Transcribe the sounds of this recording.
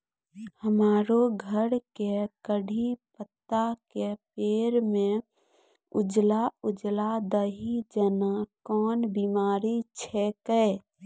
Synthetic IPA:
həmaːɾoɡʱəɾkekəɽʱipət̪ːakepeːɾmẽ | ʊd͡ʒlaʊd͡ʒlad̪əɦid͡ʒənakɔːnbimaːɾit͡ʃʰɛkəe

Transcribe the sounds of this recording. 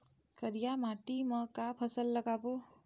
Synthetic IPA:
kəɾijamaʈimʌkapʰʌsəlːʌɡabo

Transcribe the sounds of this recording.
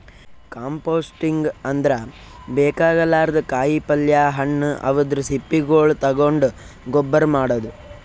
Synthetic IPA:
kaːmpoːsʈiŋɡɐnd̪ɐɾɐ | bɛːkaːɡɐlːaːɾɐd̪ɐkaːjipɐljaːɦɐɳːɐ̰ʋɐd̪ɾusipːiɡoːɭt̪ɐɡoɳɖu | ɡɔbːɐɾmaːɽɐd̪u

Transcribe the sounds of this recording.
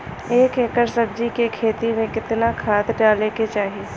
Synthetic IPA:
eːkekəɾsəb̚d͡ʒikekʰeːt̪imẽkɪt̪nakʰaːt̪ɖaːleket͡ʃaːɦi

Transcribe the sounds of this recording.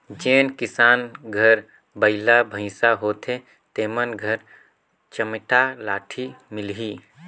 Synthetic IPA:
d͡ʒeːnkɪsaːnɡʱəɾ | bəɪlabʱə̃ɪsaɦoːt̪ʰe | t̪eːmənɡʱəɾ | t͡ʃəmʈalaːʈʰimɪlɦiː

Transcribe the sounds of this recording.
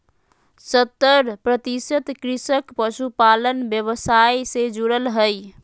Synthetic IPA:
sət̪ːəɾpɾət̪isət̪kɾisəkpəsupalənbjəβəsajsed͡ʒuɽəlɦəj

